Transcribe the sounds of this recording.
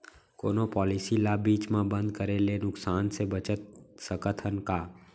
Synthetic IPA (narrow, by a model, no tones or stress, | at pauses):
koːnopɔːlisilaːbiːt͡ʃmãbə̃nd̪̚kəɾelenʊksaːnsebət͡ʃət̪̚səkət̪ʰənkaː